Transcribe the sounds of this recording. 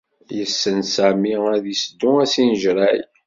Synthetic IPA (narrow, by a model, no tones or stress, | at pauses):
jəsːənsæmiæðisd̪ːʊæsinəʒɾˤæj